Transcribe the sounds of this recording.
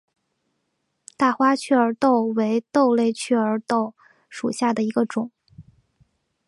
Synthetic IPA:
t̪a˥˩xwa˥t͡ɕʰɛ˥˩ə˞˧˥t̪o˥˩ʊwe˧˥ɪt̪o˥˧ʊle˥˧ɪt͡ɕʰɛ˥˩ə˞˧˥t̪o˥˩ʊ | ʂu˨˩ɕja˥˩d̪ə˩i˧˥ɡə˧ʈ͡ʂʊ˨˩˦ŋ

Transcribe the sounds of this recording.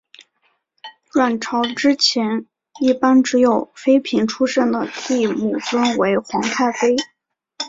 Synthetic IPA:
ɻwa˥˩nʈ͡ʂʰɑ˧˥ʊʈ͡ʂɻ̩˥t͡ɕʰjɛ˧˥n | i˥˩pa˥nʈ͡ʂɻ̩˧˥jo˨˩ʊfe˥ɪpʰi˧˥ŋʈ͡ʂʰu˥ʂə˥˩nd̪ə˩t̪i˥˩mu˨˩t͡swə˥nwe˧˥ɪxʊ˧˥ŋt̪ʰa˥˩ɪfe˥ɪ

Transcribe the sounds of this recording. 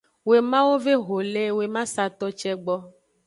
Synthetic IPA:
we˨mã˦wo˦ve˦ɦo˨le˦we˨mã˦sa˨t̪ɔ˦t͡ʃɛ˦ɡ͡bɔ˦

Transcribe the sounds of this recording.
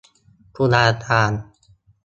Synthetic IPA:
kʰu˧naː˧t̪aː˧n

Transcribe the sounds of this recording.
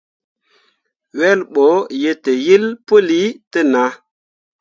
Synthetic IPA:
we˦lɓo˨˦je˧te˨ji˦lpu˦li˦tə˦na˨˦

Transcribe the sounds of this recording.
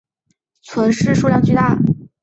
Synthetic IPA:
t͡sʰwə˧˥nʂɻ̩˥˧ʂu˥˧ljɑ˥˧ŋt͡ɕy˥˧t̪a˥˩

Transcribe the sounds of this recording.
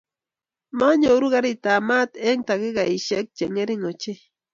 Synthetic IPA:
ma˦ɲouɾuɣaɾit̪a˨ma˦t̪e˦ŋt̪a˨ɣi˦ɡai˨ʃe˦k̚t͡ʃe˨ŋe˦ɾi˦ŋo˨t͡ʃe˦

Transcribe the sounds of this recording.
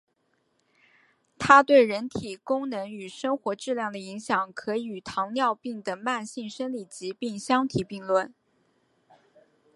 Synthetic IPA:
t̪ʰa˥t̪we˥˩ɪɻə˧˥nt̪ʰi˨˩kʊ˥ŋnɤ˧˥ŋy˨˩ʂɤ˥ŋxwɔ˧˥ʈ͡ʂɻ̩˥˧ljɑ˥˩ŋd̪ə˩i˧˥ŋɕjɑ˨˩ŋkʰɤ˧˥˨y˨˩t̪ʰɑ˧˥ŋnjɑ˥˧ʊpi˥˩ŋd̪ə˩ma˥˧nɕi˥˩ŋʂə˥nli˨˩t͡ɕi˧˥pi˥˩ŋɕjɑ˥ŋt̪ʰi˨˩pi˥˧ŋlwə˥˩n

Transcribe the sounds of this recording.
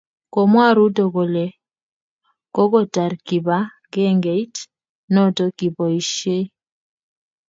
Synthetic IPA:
kɔ˨mwa˦ɾu˦do˨ɡo˨lɛ˨ | kɔ˦ɡɔ˦ta˨ɾki˨ba˦ | ɡɛ˦ŋɡe˨i˦t | nɔ˦to˦ki˨bɔ˨i˨ʃe˦

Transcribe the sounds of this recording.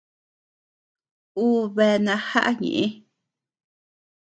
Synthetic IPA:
uː˦βe˧nã˧ha˦ʔa˦ɲḛ̃˨ʔẽ˦

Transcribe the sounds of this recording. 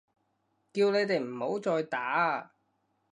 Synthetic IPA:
kiː˧wne˨˧jt̪e˨jm̩˨˩ho˨˥wt͡sɔː˧jt̪aː˨˥

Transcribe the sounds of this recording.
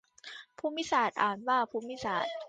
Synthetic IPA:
pʰuː˥˩mːi˦˥˨saː˨˩t̪̚ʔaː˨˩nwaː˥˩pʰuː˥˩˨mːi˦˥˨saː˨˩t̪̚

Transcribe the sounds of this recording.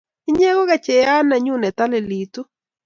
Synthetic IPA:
ɪ˦ɲɛ˦ɣo˦ɣa˨t͡ʃɛ˨ja˦na˨ɲu˦nɛ˨t̪a˦lɪ˨li˨t̪u˦

